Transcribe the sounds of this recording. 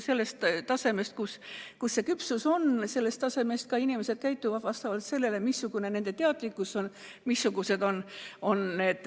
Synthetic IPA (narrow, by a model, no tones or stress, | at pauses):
se̞lːe̞st̪t̪ːɑse̞me̞st̪̚kuskusːe̞kypsuso̞nse̞lːest̪ɑse̞mest̪̚kɑinimese̞d̪̚kæjt̪ːˑuvɑd̪vɑst̪ɑvɑlt̪se̞lːe̞le̞misːuɡ̥une̞ne̞nd̪̥e̞t̪eɑt̪likːˑusːon | misːuɡ̥use̞d̪o̞no̞nne̞d̪̥